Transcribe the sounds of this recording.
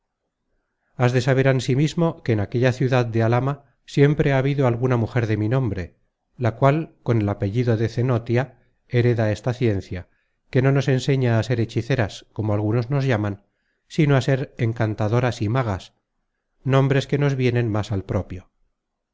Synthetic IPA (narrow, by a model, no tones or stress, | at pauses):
azðe̞saβ̞e̞ɾansimizmo̞ke̞ːnake̞ʎaθjuðaðd̪ealama | sje̞mpɾe̞aːβiðoalɣunamuxe̞ɾðe̞minõ̞mbɾe̞ | lakwalko̞ne̞lape̞ʎiðo̞ðe̞θe̞not̪ja | eɾe̞ðaest̪aθje̞nθja | ke̞no̞no̞se̞nse̞ɲaːse̞ɾe̞t͡ʃiθe̞ɾasko̞moalɣ̞uno̞zno̞zʝaman | sinoase̞ɾeŋkant̪aðo̞ɾasimaɣ̞as | nõ̞mbɾe̞ske̞no̞zβje̞nẽ̞nmasalpɾo̞pjo̞